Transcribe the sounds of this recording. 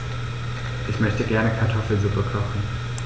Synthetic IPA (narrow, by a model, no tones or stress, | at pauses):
ʔɪçmœçtəɡɛɐnəkʰaɐtʰɔfl̩zupəkʰɔχn̩